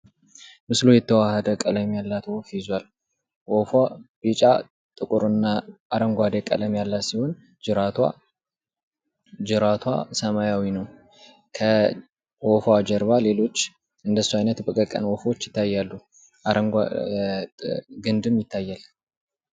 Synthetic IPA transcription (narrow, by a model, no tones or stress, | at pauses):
mɨslujɛt̪ʰːəwahəd̪əkʼələmjalːat̪wofjɪzwal | wofab̥it͡ʃʼa̰ | t̪ʼɨkʼuɾɨnːaʔaɾəŋɡʷad̪ekʼə̰ləmjalːat̪siho̞n | d͡ʒɨɾat̪ʰwa̰ | d͡ʒɨɾat̪ʰwa̰səmajawinəw | kʰə | wofad͡ʒɛɾβale̞lo̞t͡ʃː | ɨnd̪əsːuajnət̪bəkʼəkʼə̰nwofwot͡ʃːjɪt̪ʰːajːalːu | ʔaɾəŋɡ | ɡɨnd̪ɨmjɪt̪ʰːajːal